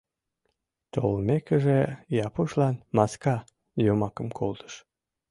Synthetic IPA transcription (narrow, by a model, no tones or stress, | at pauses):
t̪o̰lmekəʒejɑpuʃlɑnmɑskɑ | jomɑkəmkʰolt̪ə̥ʃ